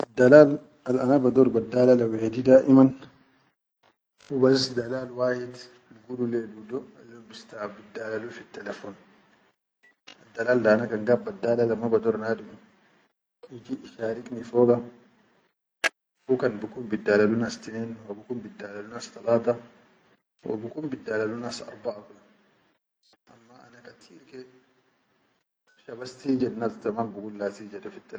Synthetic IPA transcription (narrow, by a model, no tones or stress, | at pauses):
ad̪ːalaːl | alanabad̪ɔɾbadːalalawɛhdidaːʔiman | ubassd̪alaːlwaːjid̪ | ilɡudulɛdudɔalːɔmbist̪abidalalufit̪ːɛlɛfɔn | ad̪ːalaːldaːnakaŋɡabadːalalamabad̪ɔɾnaːdumi | ɪd͡ʒiʔɪʃaːɾɪkʼnɪfoːkɐ | fukɐnbʊkʊmbɪd̪ːaːlɐlʊnɐst̪ɪnɛnwɔbʊkʊmbɪd̪ːaːlɐlʊnɐst̪ɐlaːt̪ɐ | wʔo̰bʊkʊmbɪd̪ːaːlɐlʊnɐsɐ̰ɾbaʔakʼʊnɐ | ʔɐmːaɐ̰nɐkʼɐt̪ʰiːlkɛ | ʃɐbɐst̪iːd͡ʒɛnnat̪ɐmanbʊɡʊlːaːsiːd͡ʒɛdɛfɪt̪ːɛl